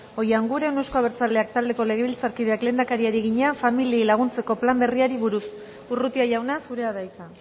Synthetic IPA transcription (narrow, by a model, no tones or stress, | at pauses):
o̞jaŋɡuɾe̞newsko̞aβeɾt͡sale̞ak̚t̪ald̪e̞ko̞le̞ɣe̞βilt͡saɾkið̞e̞akle̞ːnd̪akaɾiaɾiɣ̞iɲafamililaɣ̞unt͡se̞ko̞plambe̞riaɾiβuɾus | urut̪iaʝawnasuɾe̞aðajt͡sa